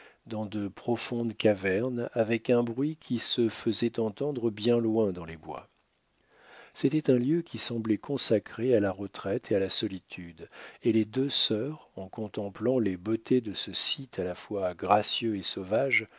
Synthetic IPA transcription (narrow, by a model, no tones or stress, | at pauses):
d̪ɑ̃d̪əpχɔfɔ̃d̪kavɛʁnavɛkɛ̃bʁɥikʲʰisəfəzɛt̪ɑ̃t̪ɑ̃d̪ʁəbjɛ̃lwɛ̃d̪ɑ̃lebwa̰ | set̪ɛt̪ɛ̃ljøkʲʰisɑ̃blɛkɔ̃sakχealaʁət̪χɛt̪ʰealasɔlit̪ʰyd̪eled̪øsœːʁɑ̃kɔ̃t̪ɑ̃plɑ̃lebot̪ʰed̪əsəsit̪ʰalafwaɡʁasjøesɔvaʒ